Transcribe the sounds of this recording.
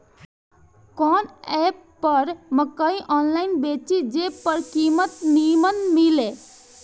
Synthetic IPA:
kɔnɛpːəɾməkəiʔɔnlaɪnbet͡ʃid͡ʒepəɾkimət̪nimənmile

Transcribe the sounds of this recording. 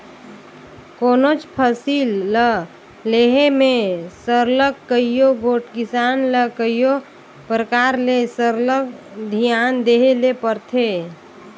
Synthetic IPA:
konot͡ʃpʰəsilːə | leɦemesəɾləkːəijoɡoʈkɪsanləkəjjo | pɾəkaɾlesəɾləkd̪ʱijand̪eɦelepəɾt̪ʰe

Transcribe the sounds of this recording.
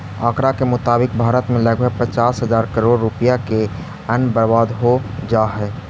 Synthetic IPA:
aːkɾakemʊt̪aːbɪk̚bʱaːɾət̪mẽləɡ̚bʱəɡ̚pət͡ʃaːsɦəzaːɾkəɾoːɽɾʊpəjake | ənbəɾbaːd̪ɦod͡ʒaːɦɛː

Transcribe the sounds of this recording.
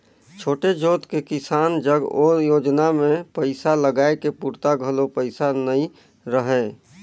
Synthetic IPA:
t͡ʃʰoːʈed͡ʒoːt̪kekisaːnd͡ʒəɡojoːd͡ʒnamẽpəɪsaləɡaekepuɾt̪aɡʱəlopəɪsanəĩ | ɾəɦɛ

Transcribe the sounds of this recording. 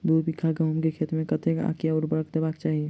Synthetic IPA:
d̪uɾbikʰaɡəɦmkekʰet̪mẽkət̪eka̰keɔːɾbəɾəkd̪ebakt͡ʃaːɦie

